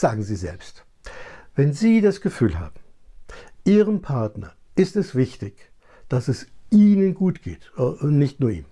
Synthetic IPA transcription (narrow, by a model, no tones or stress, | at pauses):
z̥aːɡŋ̩ziːzɛ̰lpst | vɛnziːdasɡ̥əfyːlɦa̰ːbm̩ | ʔiːʁənpʰaɐtnɐ̰ | ʔɪstɛsv̥ɪçtɪç | d̥asɛsʔiːnənɡuːtɡ̥eːtʊnɪçtnuːɐʔḭːm